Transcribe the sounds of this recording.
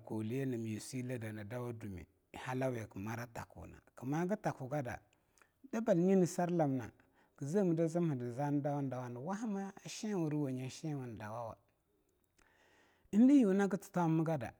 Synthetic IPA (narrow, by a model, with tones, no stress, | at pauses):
ko˨li˦je˦ni˨m˨ji˨si˦la˦da˨na˨da˦wa˦du˨mḭ˨ | ha˦la˦we˨kə˨ma˦ɾa˦ta̰˨kṵ˨na̰˨kə˨ma˦ɡə˦ta˨ku˨ɡa˦da̰˨ | da˦ba˨lɲi˦ni˨sa˦ɾla˨m˨na̰˨ | ɡ̥ə˨za˦˨mə˨da˦zi˦m˦hi˨di˨za˦n˦da˦wa˦n˦da˨wa˦nə˨wa˦ɦa˦maː˦˨ʃe˦˨wu˨ɾi˦wa˨ɲa˨ʃe˦wa˨n˨da˨wa˦wa̰˨ | i˦n˦di˦ji˨˦na˦ɡə˦ti̥˨ta˦mi˦ɡa˦da̰˨